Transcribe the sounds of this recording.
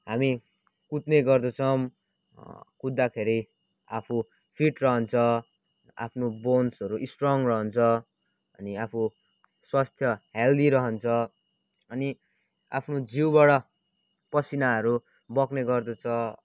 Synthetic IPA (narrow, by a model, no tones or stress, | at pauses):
ɦami | kut̪neɡʌrd̪ʌt͡sʰʌm | kud̪ːakʰeɾi | apʰu | pʰiʈrʌɦʌnt͡sʰʌ | a̰pʰnobonsʌɾuʔisʈrʌŋrʌɦʌnt͡sʰʌ | ʌ̰niapʰu | swast̪ʰjʌɦeld̪iɾʌɦʌnt͡sʰʌ | ʌni | a̰pʰnod͡zʱiwbaɽʌ | pʌsinaɦʌɾu | bʌkneɡʌrd̪ʌt͡sʰʌ